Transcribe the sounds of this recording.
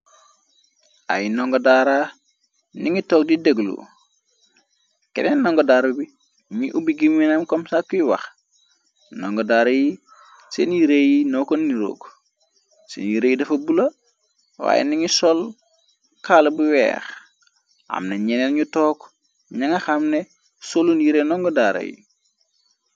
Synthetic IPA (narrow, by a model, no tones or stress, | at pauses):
a̰jinoŋɡodaːɾa | niŋitoːk̚dideɡlṵ | kḛnennːoŋɡodaːɾubi | ɲiʔubiɡimwinamkomsakːujiwa̰x | noŋɡodaːɾɐji | senjiɾejinokonːiɾo̰ːk | sḛnjiɾejidɐfɐbulɐ | wa̰ːjḛniŋisɔl | kaːlbuwɛ̰ːx | a̰mneɲenenɲutɔːk | ɲaŋɐxamne | solunjiɾenɔŋɡodaːɾɐ̰jḭ